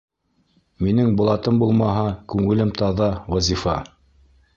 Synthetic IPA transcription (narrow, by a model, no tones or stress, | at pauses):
minɘŋbŏlˠɑt̪ɤmbulˠmɑɦɑkʉŋɘ̆lɘmt̪ɑðɑwæzʲifɑ